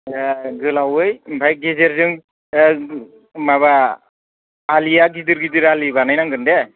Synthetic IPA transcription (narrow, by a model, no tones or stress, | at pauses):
ɡɯlawɯjbʱaj̚ɡezeɾzɯŋ | maβa | lijaɡidɯɾɡidɯɾalibanajnaŋɡɯnde